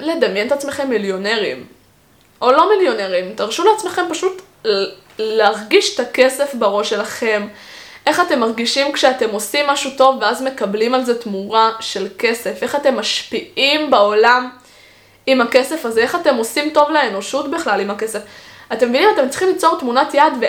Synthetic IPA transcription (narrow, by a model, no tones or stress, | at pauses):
le̞d̪amjent̪at͡sme̞χe̞mːiljo̞ne̞ʁim | ʔo̞lo̞miljo̞neʁimtaʁʃuleat͡sme̞χe̞mpaʃut | leaʁɡiʃe̥t̪akese̞fbeʁo̞ʃelaχe̞m | ʔe̞χate̞mːaʁɡiʃimkʃeate̞mo̞simːaʃuto̞vːeazme̞kablimalze̞tmuʁaʃe̞lke̞se̞fe̞χate̞mːaʃpiʔimbao̞lam | imake̞se̞faze̞eχate̞mo̞simto̞vleeno̞ʃutbiχlalimake̞se̞fatemːevinimat̪e̞mt͡si̥χimlit͡so̞ʁtmunatjad̪ve